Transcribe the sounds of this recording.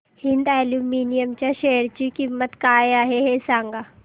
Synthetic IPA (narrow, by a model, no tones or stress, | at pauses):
hɪ̃nd̪ɛːluːmiːnijəmt͡ɕaʃeːəɾt͡ɕikimːət̪kaːeaːɦeɦeːsãːŋɡaː